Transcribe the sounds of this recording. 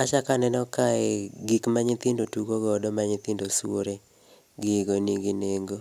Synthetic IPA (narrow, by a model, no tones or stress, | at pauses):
at͡ʃakanɛnɔkaɛɡikmaɲɪt̪ɪndotuɡoɡɔdɔmaɲɪt̪ɪndoswoɾe | ɡɪɡoniɡineŋɡo